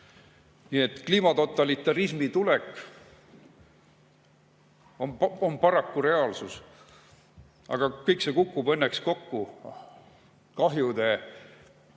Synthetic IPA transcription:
nie̞t̪ːˑkliːmɑt̪o̞t̪ːˑɑlit̪ːˑɑɾismit̪ulekːˑ | omonpɑɾɑkːuɾe̞ɑːlsus | ʔɑ̰ɡ̥ɑkɤjkse̞kukːubɤnːeksko̞kːu | kɑɦjud̪e̞

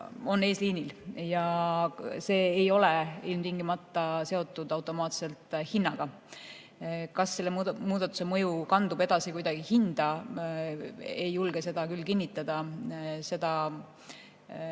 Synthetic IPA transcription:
o̞nːe̞ːsliːniljɑ | se̞ːjo̞lɛilmt̪iŋɡimɑt̪ˑːɑse̞o̞t̪ːˑud̪̥ɑwt̪ːˑo̞mɑːt̪se̞lt̪ˑhinːɑɡ̥ɑ | kɑsːe̞lːemuːd̪̥ɑt̪ːˑu̥se̞mɤ̞jukɑnd̪ub̥e̞d̪ɑsikujd̪ɑɡ̥ihind̪̥ɑ | e̞jːulɡ̥ese̞d̪ɑkylːkinʲːit̪ːˑɑd̪̥ɑse̞d̪̥ɑ

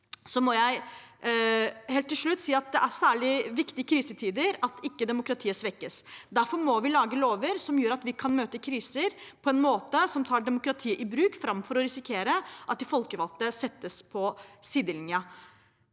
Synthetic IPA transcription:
sɔmɔjæɪ | heːlt̪ːɪlʂɭʉt̪ːsiːɑt̪̚d̪ɛʔæɾsæːɭɪʋɪkt̪ɪəkʰɾiːsət̪ʰiːd̪əɾɑt̪ɪkːəd̪ɛmʊkɾɑt̪ʰiːəsʋɛkːəsd̪æɾfɔɾmɔʋɪlɑːɡəloːʋəɾsɔmjøːɾɑt̪ʋɪkʰɑnmøːt̪əkʰɾiːsəɾpʰɔɛnmoːt̪əsɔmt̪ʰɑːɖɛmʊkɾɑt̪ʰiːəʔɪbɾʉːkfɾɑmfɔɾɔɾɪsɪkʰeːɾəʔɑt̪̚d̪ɪfɔlkəʋɑlt̪əsɛt̪ːəspʰɔsiːd̪əlɪnjɑ

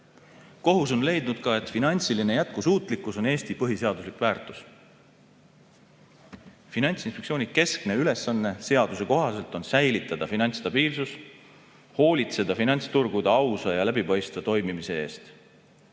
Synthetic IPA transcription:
ko̞ɦus̬o̞nle̞jd̪nud̪̥kɑe̞t̪ˑfinɑnʲt̪siline̞jæt̪̚kusuːt̪ˑlikːˑuso̞ne̞ːst̪ipɤɦise̞ɑd̪uslikvæːrt̪ˑus | finɑnʲt̪sinspeksio̞ːnʲike̞skne̞yle̞sːɑnːe̞se̞ɑd̪̥use̞ko̞ɦɑse̞lt̪ˑo̞nsæjlit̪ːˑɑd̪̥ɑfinɑnʲt̪st̪ɑb̥iːlsus | ho̞ːlit̪se̞d̪̥ɑfinɑnʲt̪st̪urɡ̥ud̪̥ɑɑwsɑjɑlæbipɑjst̪vɑt̪o̞jmimise̞e̞̰ːst̪

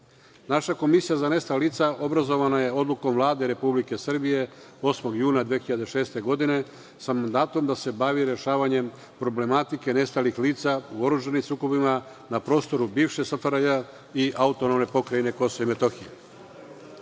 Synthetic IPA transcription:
naʃako̞misijazane̞st̪alaliːt̪saʔo̞bɾazo̞ʋanaje̞o̞d̪luko̞mʋlˠaːd̪eɾe̞publike̞sr̩bije̞ | o̞smo̞ɡjuːnad̪ʋexiʎad̪e̞ʃe̞ːst̪e̞ɡo̞d̪ine̞ | samand̪aːt̪o̞md̪ase̞baʋiɾe̞ʃaːʋaɲe̞m | pɾo̞ble̞mat̪ike̞ne̞st̪alixliːt̪sauo̞ɾuʒanimsuːko̞bima | napɾo̞ːst̪o̞ɾubiːʋʃe̞safaɾaja | iʔaut̪o̞nomne̞po̞kɾaine̞ko̞soimet̪o̞xije

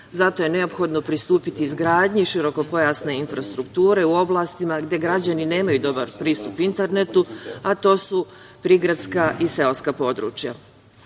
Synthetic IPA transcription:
zat̪o̞je̞ne̞o̞pxo̞d̪no̞pɾist̪uːpit̪iːzɡɾaːd̪ɲiʃiɾo̞ko̞po̞jaːsne̞infɾast̪ɾukt̪uːɾe̞uo̞blˠast̪imaɡd̪je̞ɡɾad͡ʑanine̞ːmajud̪o̞baɾpɾiːst̪upint̪e̞ɾnet̪uat̪o̞ːsu | pɾiɡɾad̪skaʔise̞lskapo̞d̪ɾṵːt͡ʃja

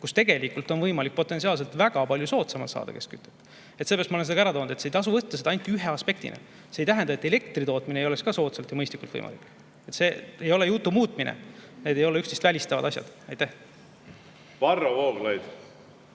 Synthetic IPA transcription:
kust̪e̞ɡe̞likult̪ːˑo̞nvɤjmɑlik̚po̞t̪ːesiɑːls̬e̞lt̪væɡ̥ɑpɑlʲjuso̞ːt̪sɑmɑlt̪sɑ̰ːd̪̥ɑ̰ke̞skyt̪ːˑet̪ː | et̪seeɑst̪mɑolenseɑ̥æɾɑt̪o̞ːnud̪et̪sejt̪ɑs̬uvɤt̪ːɑseɑɑjnt̪ːiyɦe̞ɑspe̞k̚t̪ḭnḛ | sejt̪æɦænd̪ɑe̞t̪ːˑe̞le̞kt̪rit̪o̞ːt̪minejo̞lekskɑso̞ːt̪sɑlt̪jɑmɤjst̪likːˑult̪ɤ̰jmɑ̰lḭkːˑ | e̞t̪se̞ːejo̞lejut̪ːˑumuːt̪ˑminʔḛne̞d̪̥e̞jo̞leyksd̪ist̪vælʲist̪ɑvɑd̪ɑsʲjɑ̰d̪̥ɑjt̪æh | vɑrːovoːɡlɑjd̪

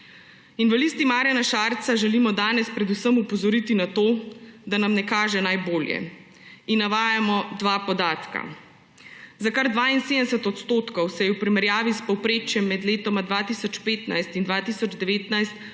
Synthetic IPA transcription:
inʋalist̪imaːɾjanaʃaɾt̪saʒɛlimɔd̪aːnɛspɾɛd̪usəmupɔzɔɾit̪inat̪oːd̪anamnɛkaːʒɛnajboːljɛ̰ | inːaʋaːjamɔd̪ʋaːpɔd̪aːt̪ka̰ | zakaɾd̪ʋaːinseːd̪əmɛsət̪ɔt̪st̪oːt̪kɔwsɛjɛwpɾimɛɾjaːʋispɔwpɾeːt͡ʃjɛmːɛd̪leːt̪ɔmad̪ʋaːt̪isɔt͡ʃpeːt̪najst̪ind̪ʋaːt̪isɔd͡ʒd̪ɛʋeːt̪najst̪

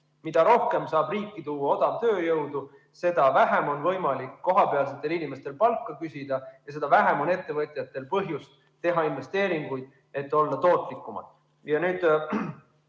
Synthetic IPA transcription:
mid̪̥ɑɾo̞hke̞msɑːb̥riːkːˑit̪uːwːɑo̞d̪ɑvt̪ø̞ːjɤwd̪u | se̞d̪̥ɑvæɦe̞mo̞nvɤjmɑlikːo̞ɦɑpe̞ɑlset̪ːˑe̞linime̞st̪e̞lpɑlkːˑɑkysʲid̪̥ɑjɑs̬e̞d̪̥ɑvæɦe̞mo̞ne̞t̪ːe̞vɤt̪ʲˑjɑt̪ːˑe̞lpɤɦjust̪ | t̪ːe̞ɦɑinve̞st̪e̞ːɾiŋɡ̥ujd̪̥ | e̞t̪ːˑo̞lːɑt̪o̞ːt̪ˑlikːˑumɑ̰d̪̥ | jɑnyːd̪

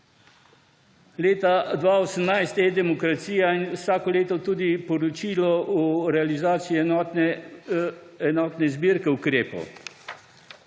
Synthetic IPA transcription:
leːt̪ad̪ʋaːosəmnajst̪ɛd̪ɛmɔkɾat̪siːjainwsaːkɔleːt̪ɔt̪uːd̪ipɔɾɔt͡ʃiːlɔuɾɛalizaːt̪sii | ɛnɔːt̪nɛzbiːɾkɛukɾeːpo̰w

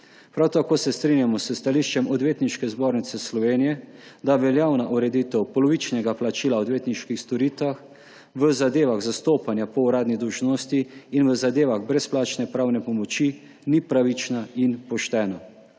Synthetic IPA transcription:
pɾawt̪akoːsɛst̪ɾinjamɔsəst̪aliʃt͡ʃɛmɔd̪ʋeːt̪niʃkɛzboːɾnit̪sɛslɔʋeːnijɛd̪aʋɛljaːwnaʔuɾɛd̪it̪ɛwpɔlɔʋit͡ʃnɛɡaplat͡ʃiːlaɔd̪ʋeːt̪niʃkixst̪ɔɾiːt̪ʋax | ʋəzad̪eːʋaɣzast̪oːpanjapɔuɾaːd̪nid̪əwʒnoːst̪iinʋəzad̪eːʋaɣbɾɛsplaːt͡ʃnɛpɾaːwnɛpɔmɔt͡ʃi | nipɾaʋit͡ʃnainpɔʃt̪ɛːna

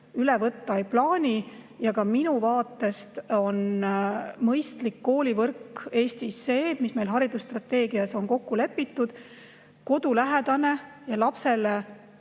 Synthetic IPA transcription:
ylevɤt̪ˑːɑejplɑːnʲijɑkɑminuvɑːt̪ːˑe̞st̪o̞n | mɤjst̪likːo̞ːlʲivɤrke̞ːst̪isːe̞ːmisme̞jlɦɑɾid̪̥ust̪rɑt̪ːe̞ːɡ̥iɑso̞nko̞kːule̞pːit̪ːud̪̥ | ko̞d̪̥ulæɦed̪̥ɑne̞jɑlɑpse̞le

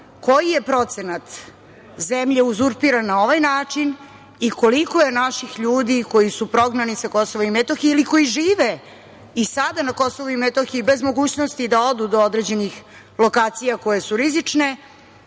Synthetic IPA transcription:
ko̞jije̞pɾo̞t̪senat̪ | zemʎeuzuɾpiɾanːao̞ʋajnaːt͡ʂin | iko̞liko̞je̞naʃixʎuːd̪iko̞jisupɾo̞ɡnanisako̞so̞ʋomimet̪oxiiliko̞jiʒiːʋe | isad̪anako̞so̞ʋuimet̪oxiibe̞zmo̞ɡuːt͡ɕnost̪id̪ao̞d̪ud̪o̞od̪ɾed͡ʑe̞nix | lˠo̞kaːt̪sijako̞je̞suɾizit͡ʂne̞

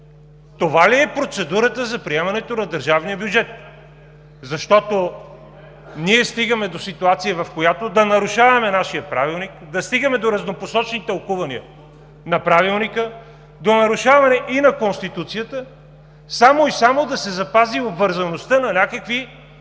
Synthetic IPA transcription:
t̪ovaliɛpɾot̪sɛd̪uɾət̪əzɐpɾiɛmɐnɛt̪onɐd̪əɾʒavnijəbjud͡ʒɛt̪̚ | zɐʃt̪ɔt̪o | niɛst̪iɡəmɛd̪osit̪uat̪sijəvɐfkojat̪od̪ɐnɐɾuʃavɐmɛnaʃiəpɾavilˠnikd̪ɐst̪iɡəmɛd̪oɾɐznoposɔt͡ʃɛnit̪əlˠkuvɐniə̰ | nɐpɾavilˠnikə | d̪onɐɾuʃavɐmɐnɛʔinɐkonst̪it̪ut̪sijət̪ə | samoisamod̪ɐsɛzɐpaziobvəɾzɐnost̪ənɐnʲakəkvi

